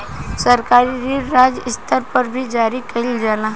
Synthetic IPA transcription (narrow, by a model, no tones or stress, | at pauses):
sɐɾkaːɾiɾiːɾaːd͡ʒɪst̪ʰəɾpəɾbʱid͡ʒaːɾikɐɦild͡ʒaːna